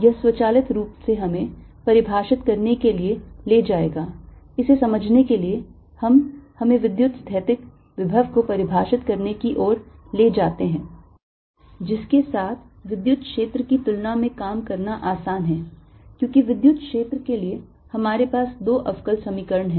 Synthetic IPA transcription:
jɐɦswɐt͡ʃaːlɪt̪ɾuːpseɦɐmẽ | pɐɾɪbʱaːʃɪt̪kɐɾnekelieleːd͡ʒaːeːɡaː | ɪsesɐməd͡ʒʱnekelie | hɐmhɐmẽʋɪd̪jʊt̪st̪ʰɛːt̪ɪk | ʋɪbʱəʋkopɐɾɪbʱaːʃɪt̪kɐɾnekiʔɔːɾleːd͡ʒaːt̪eɦɛ̃ː | d͡ʒɪskesaːt̪ʰ | ʋɪd̪jʊt̪kʃeːt̪ɾəkit̪ʊlnamẽkaːmkɐɾnaʔaːsaːnɦɛ̃ːkjõːkiʋɪd̪jʊt̪̚kʃeːt̪ɾəkelie | hɐmaːɾepaːsd̪oːʔɐʋkəlsɐmiːkəɾəɳɦɛ̃ː

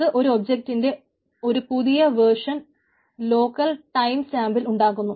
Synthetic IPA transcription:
ɨʔo̞ɾuobd͡ʑek̚tːinde̞ | o̞ɾupuðijɐʋeʂɐn | lo̞ːkːɐlʈɐjmsaːmbiluɳɖaːɣunːu

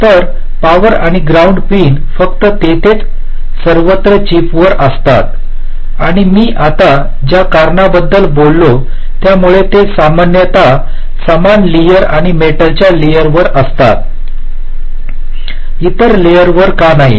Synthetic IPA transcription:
t̪əɾ | paʋəɾaɽ̃iɡɾauɳɖpiːn | fəkt̪ət̪et̪et͡s | səɾʋət̪ɾət͡ɕipʋəɾəst̪a̰t̪ | aɽ̃imiːʔat̪a | d͡ʑjakaɾɳabəd̪ːəlbolːo | t̪jamuɭet̪esamanjət̪a | səmanlijəɾaɽ̃imeʈəlt͡ɕjalijəɾʋəɾəst̪a̰t̪̚ | it̪əɾlejəɾʋəɾkanaɦḭ

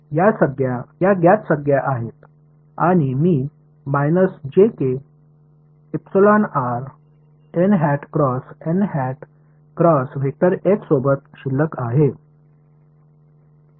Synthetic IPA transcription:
jasəɡjajaɡjat͡ssəɡjaʔaɦet̪ | aɽ̃imiː | majnəsd͡ʑeke | ipsilɔnaɾ | enɦæʈkɾɔsenɦɛʈ | kɾɔsʋʱek̚ʈ̪əɾeksobət̪ɕilːəkaɦe

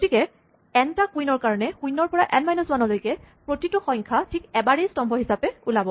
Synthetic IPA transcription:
ɡotikɛ | ɛntakujnɔɹkaɹɔnɛkujnɔɹpɔɹaʔɛnmajnɔsbanɔlojkɛpɹotitʊxɔ̃jŋkʰatʰikɛbaɹejstɔmbʱɔɦisapɛulabɔ

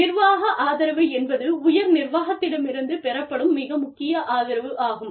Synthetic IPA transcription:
ɪɾʋaːɣɐʔaːðɪɾɐʋɐɪɛnbɐðɯʊjɐɾnɪrʋaːɣɐt̪ːɪɽɐmɪɾɯnd̪ɯpɛɾɐpːɐɽɯmːɪɣɐmʊkːɪjɐʔaːðɪɾɐʋɯʔaːɣɯm

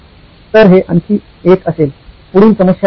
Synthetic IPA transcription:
t̪əɾɦeʔəntiː | et̪ʰəsel | puɽiːnsəməsja

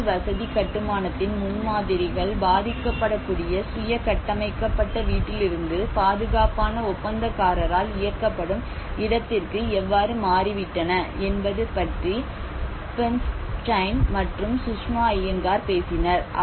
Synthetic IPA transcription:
ʋɐsɐðikɐʈːɯmaːnɐt̪ːɪnmʊnmaːðɪɾɪɣɐɭbaːðɪkːɐpːɐɽɐkːuːɽɪjɐsʊjɐkɐʈːɐmɐɪkːɐpːɐʈːɐʋiːʈːɪlɪɾɯnd̪ɯpaːðɯɣaːpaːnɐʊpːɐnd̪ɐkːaːɾɐɾaːlɪjɐkːɐpːɐɽɯm | ɪðɐt̪ːɪrkɯɛʋːaːɾɯmaːrɪʋɪʈːɐnɐɛnbɐðɯpɐʈri | pɛnsʈɐɪnmɐʈrɯmsʊʂmaːjɐŋɡaːɾpeːsɪnɐɾ

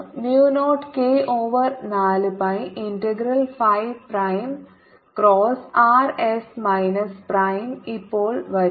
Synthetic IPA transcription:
njuːnoːʈkeːʔoːʋɐrnaːlɨpɐjindeɡɾɐlfɐjʋprɐjm | kɾoːsaːresmɐjnɐsprɐjmipːoːɭʋɐɾ

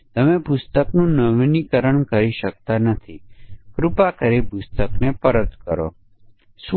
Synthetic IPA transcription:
t̪əmẽpʊst̪əknũːnəʋnikəɾəɳkəɾiʃək̚t̪anət̪ʰikɾʊpakəɾepʊst̪əknepəɾət̪kəɾo̰ː | s

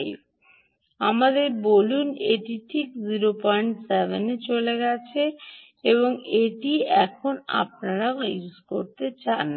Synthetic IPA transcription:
j | amad̪eɾboluneʈiʈʰikziɾopɔjɳʈsevʱenet͡ɕoleɡɛt͡ɕʰe | eβoŋeʈiɛkʰona̰p̚naɾaouzkoɾt̪et͡ɕan

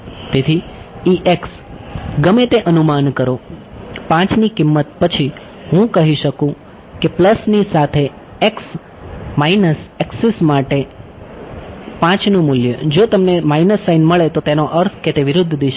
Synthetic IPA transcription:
t̪et̪ʰiiʔeks | ɡəmet̪eʔənumankəɾo | pãt͡ʃnikɪmːət̪̚pət͡ʃʰi | ɦũkəɦiʃəkũ | kepləsnisat̪ʰe | eks | mainəseksismaʈe | pãt͡ʃnũmuljəd͡ʒot̪əmnemainəsːainməɭet̪ot̪enoʔəɾt̪ʰket̪eʋɪɾʊd̪ʱːd̪iʃ

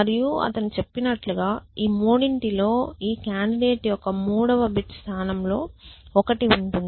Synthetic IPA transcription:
ɐɾijuɐ̰t̪ɐnit͡ʃe̞pːinɐʈluɡaːiːmuːɽiɳʈilo̞ːiːkjaːɳɖiɖe̞ːʈijɔkɐmuːɽɐʋɐbiʈst̪ʰaːnɐmlo̞ːɔkɐʈiuɳʈund̪i

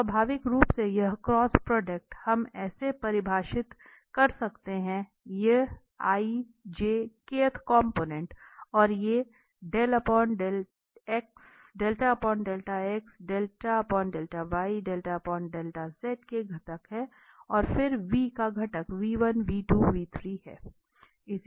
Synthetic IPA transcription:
əbʱaːʋɪkɾuːpsejɐɦkɾɔːspɾɔːɖek̚ʈhɐmɛːsepɐɾɪbʱaːʃɪt̪ | kɐɾsɐkt̪eɦɛ̃ | je | aːi | d͡ʒeːkeːt̪ʰkɔ̃ːmpoːnɛ̃ɳʈɔːɾje | ɖeːlɐpɔːɳɖeːl | eks | ɖeːlʈaɐpɔːɳɖeːlʈaeksɖeːlʈaɐpɔːɳɖeːlʈaʋaːiɖeːlʈapɔːɖeːlʈazeːʈkeɡʱɐʈəkɦɛ | ɔːɾfɪɾʋiːkaɡʱɐʈəkʋiːʋənʋiːʈuːʋiːt̪ʰɾiːɦɛ̰ː | ɪs

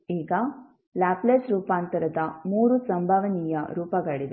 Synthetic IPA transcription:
iːɡɐ | laːpleːsɾuːpaːnt̪ɐɾɐd̪ɐmuːɾusɐmbʱaʋɐnijɐ̰ɾuːpɐɡɐɭid̪e

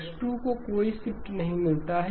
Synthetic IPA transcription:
sʈukokoːisɪpʈnɐɦĩmɪlt̪aɦɛ

